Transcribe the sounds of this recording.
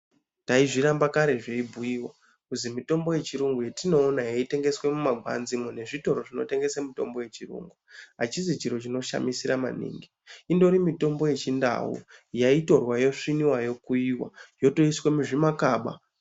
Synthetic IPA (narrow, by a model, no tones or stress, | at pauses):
taiʐiɾambakaɾe̞ʐeibʱujiwa | kuzimito̞mbo̞je̞t͡ʃiɾuŋɡujetino̞ːnajaite̞ŋɡeswe̞mumaɡʱwa̰nzimone̞ʐito̞ɾo̞ʐino̞̰te̞ŋɡe̞samito̞̰mbo̞je̞t͡ʃirṵŋɡuɦa̰t͡ʃizit͡ʃiɾo̞t͡ʃino̞ʃa̰misiɾama̰nḭːŋɡi | indo̞ɾimito̞mbo̞je̞t͡ʃinda̰wṵjaito̞rwajo̞ʂiniwajo̞kuiwa̰jo̞to̞iswe̞muʐimakaːɓa̰